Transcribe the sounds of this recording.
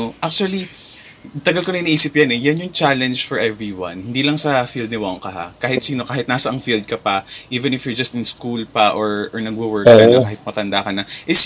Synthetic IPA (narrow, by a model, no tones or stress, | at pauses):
oʔak̚t͡ʃuɐli | t̪ɐɡɐlkonɐinɐʔiːsɪpjɐnɛjɐnjʊŋt͡ʃalɛnd͡ʒfɔɹʔɛvɹiwɐ̰̃nhɪnd̪iːlɐŋsɐfild̪nɪwaŋkɐɦa̰kaːhɪt̪siːno̞kaːhɪt̪naːsɐʔɐŋfild̪̚kɐpɐʔiːvɛ̃nɪfjʊɹd͡ʒɐst̪ɪnskulpɐʔoɹʔɔɹnɐɡ̚wɐwɛɹɛnokaːhɪt̪̚mɐt̪ɐnd̪akɐnɐʔɪs